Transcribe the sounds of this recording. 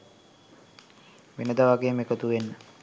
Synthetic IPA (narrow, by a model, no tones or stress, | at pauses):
ʋenəd̪aʋaɡeːmekət̪uʋenːə